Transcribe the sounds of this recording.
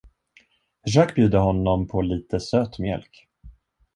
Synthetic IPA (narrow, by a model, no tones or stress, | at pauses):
ʒakbjʉ̟ːd̪əhɔnːɔmpʰɔliːt̪əsøːt̪mjɛ̰lk